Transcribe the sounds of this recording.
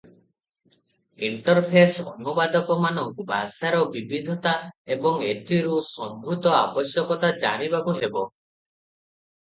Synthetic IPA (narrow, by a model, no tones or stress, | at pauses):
iɳʈɔɾpʰesɔ̰nubad̪ɔkɔmanɔŋba̰saɾɔbibid̪ʱɔt̪aebɔŋed̪ʱiɾusɔŋɡʱɾut̪ɔa̰bɔsjɔkɔt̪ad͡ʒa̰ɽ̃ibakuɦebɔ